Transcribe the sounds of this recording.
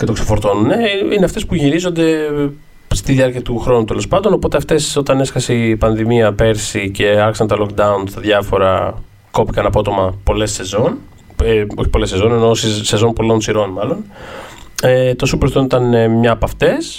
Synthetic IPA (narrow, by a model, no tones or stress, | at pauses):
ce̞t̪o̞ksefo̞ɾt̪o̞nune̞ineɐft̪e̞spuʝiɾizo̞nd̪e̞ | st̪iðiɐɾciɐt̪uxɾo̞nut̪e̞lo̞spɐnd̪o̞no̞po̞t̪e̞ɐft̪e̞sot̪ɐne̞skɐse̞ipɐnðimiɐpe̞ɾsice̞ɐɾçisɐnt̪ɐlo̞kd̪ɐunst̪ɐðʝɐfo̞ɾɐ̰ | ko̞pikɐnɐpo̞t̪o̞mɐpo̞le̞se̞zo̞n | o̞çi̥po̞lese̞zo̞nenosse̞zo̞npo̞lo̞nsiɾo̞nmɐlo̞n | et̪o̞supɾθt̪onit̪ɐnmɲɐːpɐft̪e̞s